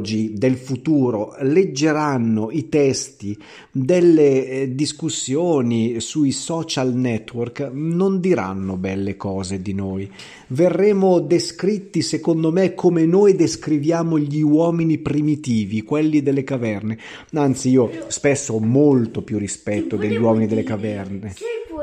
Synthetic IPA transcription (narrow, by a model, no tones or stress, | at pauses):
d͡ʒid̪elfut̪uːɾoled͡ʒːeɾanːoit̪ɛst̪i | d̪elːed̪iskusːjoːnisuisɔːt͡ʃalnɛt̪ːwɔrknond̪iɾa̰nːobɛlːekɔːzed̪inoːj | verːɛːmod̪eskɾit̪ːisekond̪omekʰːomenoːjd̪eskɾivjaːmoʎiwɔːminipɾimit̪iːvikwɛlːid̪elːekavɛrne | ant̪siiːospɛsːoɔmolt̪opjurːispɛt̪ːod̪eʎːiwɔːminid̪elːekavɛrne